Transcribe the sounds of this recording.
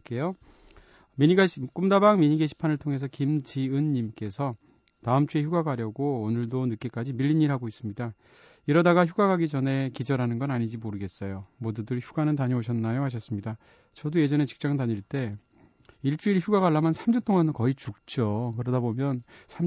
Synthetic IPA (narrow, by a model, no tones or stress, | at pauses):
k͈e̞jo | miɲiɡaɕʰik͈umdabaŋmiɲiɡeɕʰi̥pʰanɯɭtʰoŋɦe̞sʰʌkimd͡ʑiɯnːimk͈e̞sʰʌ | taɯmt͡ɕ͈ue̞çjuɡaɡaɾjʌɡoːnɯɭdonɯk͈e̞k͈ad͡ʑimiʎːiɲːiɾɦaɡois͈ɯmɲida | iɾʌdaɡaçjuɡaɡaɡid͡ʑʌne̞kid͡ʑʌɾɦanɯnɡʌnaɲid͡ʑimoɾɯɡe̞s͈ʌjomodudɯɭçuɡanɯntaɲioɕʰʌnːajoɦaɕ̬ʰʌs͈ɯmɲida | t͡ɕʌdujed͡ʑʌne̞t͡ɕi̥k̚t͡ɕ͈aŋdtaɲiɭt͈e̞ | iɭt͡ɕ͈uiɭçuɡaɡaɭːamjʌnsʰamd͡ʑut͈oŋandokʌit͡ɕuk̚t͡ɕ͈okɯɾʌdabomjʌnsʰam